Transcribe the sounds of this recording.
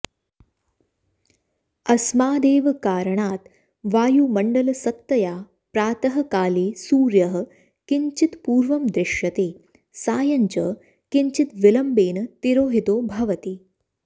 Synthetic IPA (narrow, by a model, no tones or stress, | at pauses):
ɐsmaːd̪eːʋɐkaːɾɐɳaːt̪ | ʋaːjuːmɐɳɖɐlɐsɐt̪ːɐjaː | pɾaːt̪ɐɦɐ̆kaːliːsuːɾjɐɦə̆ | kiɲt͡ʃit̪puːɾʋɐmd̪ɾɪʃjɐt̪eː | saːjɐɲt͡ʃə | kiɲt͡ʃit̪ʋɪlɐmbeːnɐt̪iɾoːɦit̪oːbʱɐʋɐt̪i